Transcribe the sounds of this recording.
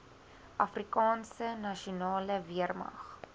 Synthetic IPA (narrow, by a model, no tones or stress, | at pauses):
ʔɐfrikɑːnsənɐʃiunɑːləviərmɐ̰χ